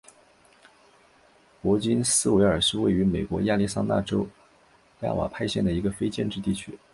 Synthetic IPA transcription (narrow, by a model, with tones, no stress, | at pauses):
kwɔ˧˥t͡ɕi˥nsɹ̩˥we˧˥ɪə˞˨˩ʂɻ̩˥˧we˥˩ɪy˧˥me˨˩ɪkwɔ˧˥ja˥˧li˥˩sa̰˥na̰˥˩ʈ͡ʂo˥ʊ | ja̰˥˩wa̰˨˩pʰa˥˧ɪɕjɛ˥˩nd̪ə˩i˧˥ɡə˧fe˥ɪt͡ɕjɛ˥˧nʈ͡ʂɻ̩˥˧t̪i˥˩t͡ɕʰy˥